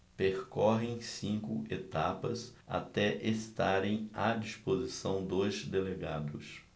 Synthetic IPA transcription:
peɾkɔɦẽj̃sĩŋkʊet̪apɐsa̰t̪ɛʔest̪aɾẽj̃ad͡ʒispozisɐ̃w̃d̪ojzd̪eleɡad̪ʊs

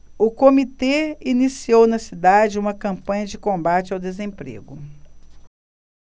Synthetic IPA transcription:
ʊkomit̪einisiownɐsid̪ad͡ʒɪũmɐkɐ̃mpɐ̃ɲɐd͡ʒɪkõmbat͡ʃɪawd̪ezẽpɾḛɡʊ

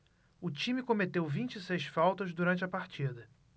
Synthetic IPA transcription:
ʊt͡ʃĩmɪkõmet̪ewvĩnt͡ʃisejsfawt̪ɐzd̪uɾɐ̃nt͡ʃɪɐpaɾt͡ʃid̪ɐ

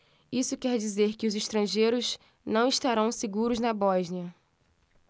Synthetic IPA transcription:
isʊkɛɾd͡ʒizeɾkɪʊziʃt̪ɾɐ̃ʒejɾʊz | nɐ̃w̃iʃt̪aɾɐ̃w̃seɡuɾʊznɐbɔʒniɐ

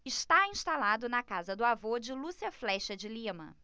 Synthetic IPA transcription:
ɪʃt̪aĩʃt̪alad̪ʊnɐkazɐd̪ʊavod͡ʒɪlusiɐflɛʃɐd͡ʒɪlĩmɐ̰

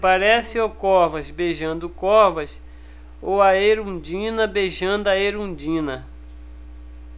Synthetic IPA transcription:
paɾɛsɪokɔhvɐzbeʒɐ̃nd̪ʊkɔɾvɐs | owɐeɾũd͡ʒĩnɐbeʒɐ̃nd̪ʊɐeɾũd͡ʒĩnɐ

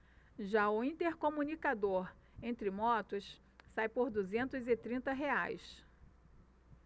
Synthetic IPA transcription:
ʒaʊĩnt̪eɾkõmunikad̪oɾ | ẽnt̪ɾɪmɔt̪ʊs | sajpoɾd̪uzẽnt̪ʊzɪt̪ɾĩnt̪ɐɦeajs

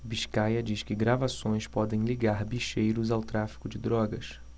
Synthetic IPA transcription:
biʃkajɐd͡ʒiʃkɪɡɾavasõj̃spɔd̪ẽj̃liɡaɾbiʃejɾʊzawt̪ɾafi̥kʊd͡ʒɪd̪ɾɔɡɐs

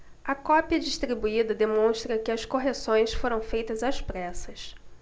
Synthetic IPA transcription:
ɐkɔpiɐd͡ʒiʃt̪ɾibuid̪ɐd̪emõw̃ʃt̪ɾɐkɪɐskoɦesõj̃sfoɾɐ̃w̃fejt̪ɐzaspɾɛsɐs

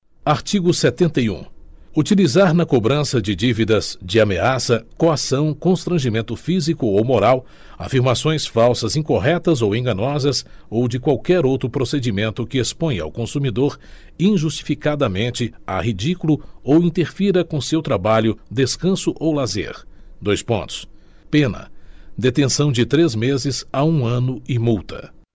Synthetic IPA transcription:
aɾt͡ʃiɡʊset̪ẽnt̪ɐjṵ̃ut͡ʃilizaɾnɐkobɾɐ̃sɐd͡ʒɪd͡ʒivid̪ɐzd͡ʒɪameasɐkoasɐ̃w̃kõst̪ɾɐ̃ʒimẽnt̪ʊfizikʊowmoɾaw | a̰fiɾmasõj̃sfawsɐzĩkoɦɛt̪ɐzowẽɡɐ̃nɔzɐsowd͡ʒɪkwawkɛɾowt̪ɾʊpɾosed͡ʒimẽnt̪ʊkɪespõj̃a̰wkõsumid̪oɾ | ĩʒust͡ʃi̥fikad̪ɐmẽnt͡ʃɪa̰hid͡ʒikulʊowĩnt̪eɾfiɾɐkõsewt̪ɾabaʎʊd̪eskɐ̃sʊʔowlazḛɾd̪ojspõ̰nt̪ʊ̥s | pẽnɐ̰d̪et̪ẽsɐ̃w̃d͡ʒɪt̪ɾezmezɪzaũɐ̃nʊɪmuwt̪ɐ̰

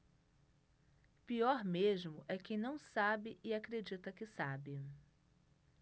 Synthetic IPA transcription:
piɔɾmeʒmʊʔɛkẽnɐ̃w̃sabɪʔɪakɾed͡ʒit̪ɐkɪsabɪ

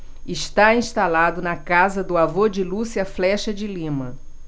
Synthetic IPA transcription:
ɪʃt̪aĩst̪alad̪ʊnɐkazɐd̪ʊavod͡ʒɪlusɪɐflɛʃɐd͡ʒɪlĩmɐ

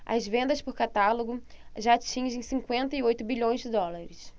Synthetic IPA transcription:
ɐ̰zvẽnd̪ɐspʊɾkat̪aloɡʊʒaːt͡ʃĩʒẽj̃sĩkwẽnt̪ɐiojt̪ʊbiʎõj̃zd͡ʒɪd̪ɔlaɾɪs

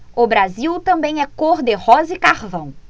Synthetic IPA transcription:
ʊbɾaziwt̪ɐ̃mbẽj̃ɛkoɾd̪ehɔzɪkaɾvɐ̃w̃

